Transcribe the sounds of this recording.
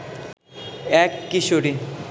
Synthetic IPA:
ɛkːiʃoɾi

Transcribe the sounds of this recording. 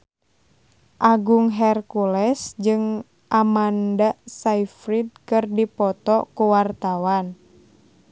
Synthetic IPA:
ʔaɡuŋɦɛrkulɛsd͡ʒɨŋ | ʔamandasaifɾid̪̚kɨrdipɔt̪ɔkuwart̪awan

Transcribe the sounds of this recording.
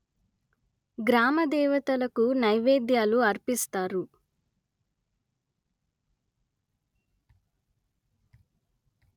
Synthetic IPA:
ɡɾaːmɐd̪ɛːʋɐt̪ɐlɐkunɐjʋeːd̪jaːluɐɾpist̪aːɾu

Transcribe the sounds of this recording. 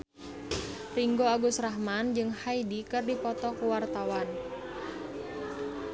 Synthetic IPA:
riŋɡoaɡʊsraɦmand͡ʒɨŋhaidikɨrdipɔt̪ɔkuwart̪awan

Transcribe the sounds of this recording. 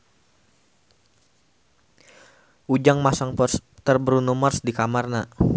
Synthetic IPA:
ʔud͡ʒaŋmasaŋpɔrst̪ərbɾunumarsdikamarna

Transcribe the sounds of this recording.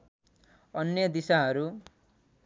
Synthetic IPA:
ʌnjʌd̪isaɦʌɾu

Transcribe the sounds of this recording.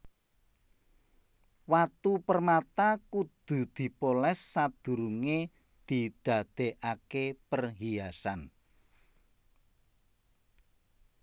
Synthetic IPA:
wat̪upərmat̪akud̪̥ṳd̪̥i̤polɛsːad̪̥ṳɾuŋe | d̪̥i̤d̪̥a̤d̪̥e̤ʔakepərɦiasan

